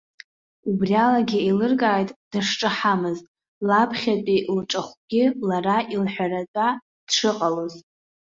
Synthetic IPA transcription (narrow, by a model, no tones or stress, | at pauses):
ubrialaɡʲɪelɨrkʼaːjtʼd̥aʂʈ͡ʂʼɨħamɨztʼ | lapʰχʲat͡pʼilʈ͡ʂʼaχʷɡʲɪlaraʔilħʷᶣarat͡sʷʼa | d̥ʂɨqʼaloz